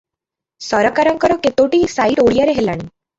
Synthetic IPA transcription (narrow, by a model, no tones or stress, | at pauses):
sɔɾɔkaɾɔŋkɔɾɔket̪owʈisajʈoɭijaɾeɦela̰ɽ̃i